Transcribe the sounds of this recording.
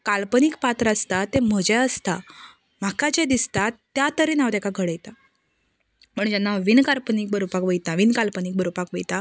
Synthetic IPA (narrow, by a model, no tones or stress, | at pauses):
kalpənikpat̪ɾəast̪at̪em̤əd͡ʑɛəst̪a | m̤akad͡ʑed̪ist̪at̪ːjat̪əɾinaʋt̪akaɡʱəɽəjt̪a | pəɳd͡ʑanːaʋinkalpənik̚bəɾopakʋəjt̪aʋinkalpənik̚bəɾopakʋəjt̪a